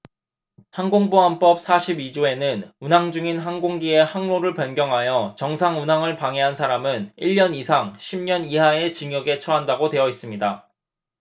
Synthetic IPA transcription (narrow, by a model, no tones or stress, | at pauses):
hanɡoŋboɦanp͈ʌp̚s͈ʰaɕʰibid͡ʑoe̞nɯnunɦaŋd͡ʑuŋinɦanɡoŋɡie̞haŋnoɾɯɭpjʌnɡjʌŋɦajʌt͡ɕʌŋsʰaŋunaŋɯɭpaŋeɦansʰaɾamɯniʎːʌnisʰaŋɕʰimɲʌniɦae̞t͡ɕiŋjʌɡe̞t͡ɕʰʌɦandaɡotwe̞ʌis͈ɯmɲida